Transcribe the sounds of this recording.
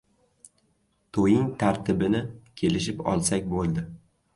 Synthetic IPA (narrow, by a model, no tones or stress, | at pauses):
t̪ʰojɪŋt̪ʰaɾt̪ʰɪbɪnɪkʲʰe̞lɪʃɪpɒ̰lˠsakʲbolˠd̪ɪ